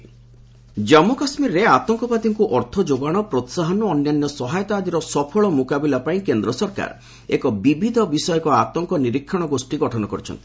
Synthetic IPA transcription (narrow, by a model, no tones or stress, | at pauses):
d͡ʒɔmukasmiɾɔɾeat̪ɔŋkɔpat̪iŋkuʔɔɾt̪ʰɔd͡ʒoɡaɽ̃ɔpɾɔt̪saɦɔnɔːnjanjɔsɔɦajɔt̪aːd̪iɾɔsɔpʰɔɭɔmukabilapaĩkend̪ɾɔsɔɾka̰ɾ | ekɔbibʱid̪ʱɔbisɔjɔkɔat̪ɔŋkɔniɾikʰːɔɽ̃ɔɡosʈiɡɔʈʰɔnɔkɔɾit͡ʃʰɔ̰nt̪i̥